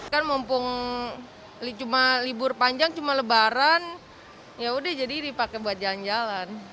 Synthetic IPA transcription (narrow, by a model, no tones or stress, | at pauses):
kanmɔmpʊŋ | lit͡ʃumalibʊrpaɲd͡ʒaŋt͡ʃumaləbaɾan | jaudɛhd͡ʒadidipakebuat̪̚d͡ʒaland͡ʒalan